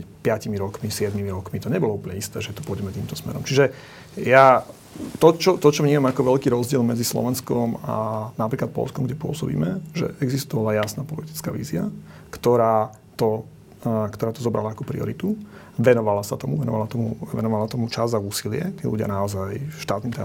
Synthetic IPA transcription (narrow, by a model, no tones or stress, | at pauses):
pɪacimiɾɔkmisɪɛd̪mimiɾɔkmit̪ɔɲɛbɔlɔuplɲɛist̪ɛ̰ːʒɛt̪ɔ̥pɔɔɟɛmɛt̪iːmt̪ɔsmɛ̰ɾɔmt͡ʃiʒɛ | ja | t̪ɔt͡ʃɔt̪ɔt͡ʃɔvɲiːmamakɔʋɛlkiːɾɔzɟɪɛlmɛd͡zislɔ̰ʋɛnskɔma̰napɾiːklat̪̚pɔ̰lskɔmɡɟɛpʊɔ̰sɔbḭːmɛʒɛ̰ʔɛɡzist̪ɔʋalajasnaːpɔlit̪i̥t͡skaːʋḭːzia | kt̪ɔɾaː | t̪ɔ | kt̪ɔɾaːt̪ɔzɔbɾʔa̰laːkɔpɾḭɔ̰ɾit̪u | ʋɛnɔʋalasat̪ɔmuʋɛnɔ̰ʋalat̪ɔmuɛʋɛ̰nɔʋalat̪ɔmut͡ʃazauːsilɪɛt̪iːlṵɟɪa̰naɔzajʃt̪aːt̪nit̪ɛ